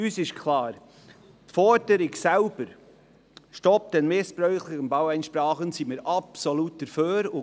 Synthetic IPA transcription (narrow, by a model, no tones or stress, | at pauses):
yːsɪʃkʰlɑːɾ | tfɔɾd̥əɾɪksɛlb̥əɾ | ʃtɔp̚t̪ɛnmɪspɾœɥχlɪənbɑwɛjnʃpɾɑːχənsimɪːɾɑpsolut̚d̥əɾføːɾʊ